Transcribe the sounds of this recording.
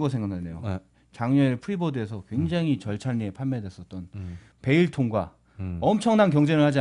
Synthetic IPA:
ɡʌsʰeŋɡakʰadejo̰ | t͡ɕaŋɲʌpʰuɾibodɯe̞sʰʌkwe̞ŋd͡ʑaŋit͡ɕʌɭt͡ɕʰaɲːiepʰanmedwe̞s͈ʌt̚t͈ʌn | pe̞iɭtʰoŋɡwa̰ | ʌmt͡ɕʰʌŋnankjʌŋd͡ʑe̞nɯɭhad͡ʑi

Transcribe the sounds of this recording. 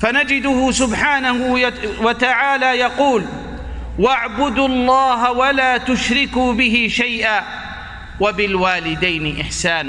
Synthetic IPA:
fanad͡ʒɪd̪ʊhʊsʊbħaːnahwat̪aʕaːlaːjɑquːl | waʕbʊd̪lˤːɑːɦawalaːt̪ʊʃɾɪkuːbɪɦɪʃajʔaː | wabɪlwaːlɪd̪ajnɪʔɪħsaːna

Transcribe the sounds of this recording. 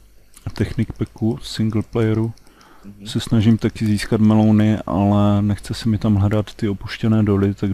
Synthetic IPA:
t̪ɛxnɪkpɛkusɪŋɡl̩plɛjɛɾu | sɛsnaʒimt̪akɪziːskat̪mɛlownɪʔa̰lɛnɛxt͡sɛsɛmɪt̪amlɛɾat̪ːɪopuʃcɛnɛːdo̞lɪt̪aɡ

